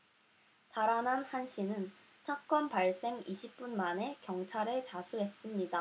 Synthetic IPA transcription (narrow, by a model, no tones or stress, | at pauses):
taɾananhanɕ͈ʰinɯn | sʰak͈ʌnpaɭs͈e̞ŋiɕʰip̚p͈unmane̞kjʌŋt͡ɕʰaɾet͡ɕasʰuɦe̞s͈ɯmɲida